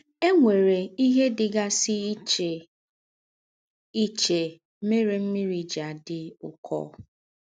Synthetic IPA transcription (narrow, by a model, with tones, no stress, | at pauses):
e˦ŋʷe˨ɾe˨i˦ɦe˦dɪ˨ɡa˦sɪ˦t͡ʃe˨ | i˦t͡ʃe˨˦ | me˦ɾe˨m̩˦mi˦ɾi˨d͡ʒa˨dɪ˨ʊ̰˨kʰɔ̰˦